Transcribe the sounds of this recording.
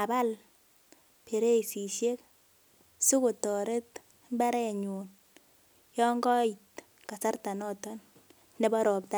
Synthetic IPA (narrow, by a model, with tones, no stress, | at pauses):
a˨ba˦l | pe˨ɾe˦i˨si˨ʃe˦k | su˦kʊ˨tɔ˨ɾe˦t | mba˦ɾɛ˨ɲu˨n | jɔ˦ŋɡɔ˦i˨t | ka˨sa˦rta˨nɔ˦tɔ˦n | ne˦ba˦ɾɔ˨p̚ta˦